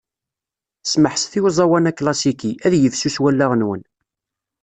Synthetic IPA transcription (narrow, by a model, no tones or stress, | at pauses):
sməħsθiwzˤɑwænæklɑsikiʔæðjəvsuswælːaʁənwən